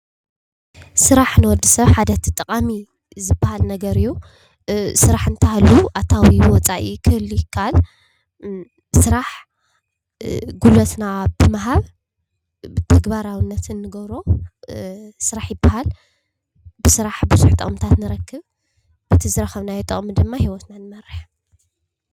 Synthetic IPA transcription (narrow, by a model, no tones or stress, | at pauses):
sɨɾaħnɨwɔd̪ːisɐβħad̪ɐt̪ʰit̪ʼːɐqʼami | zɨbahalnɐɡɐɾɨjːu | sɨɾaħɨnt̪ʰɐhaluʔat̪ʰawiwɔt͡sʼaʔikʰɨɨlːujɪkʰːaal | sɨɾaħ | ɡulɐt̪nabɨmɐɦaβ | t̪ʰɐɡbaɾawɨnːɐt̪ʰɨnːɨɡɐβɾo̞ | sɨɾaħjɪbːahal | bɨsɨɾaħbɨzuħt̪ʼɐ̰χʼmt̪ʰat̪nɨɾɐkʰːɨβ | bɨt̪ʰizɨɾɐxɐβnajɛt̪ʼɐχʼmɨd̪ɨmːahiwɔt̪nanɨmɐɾːɨħ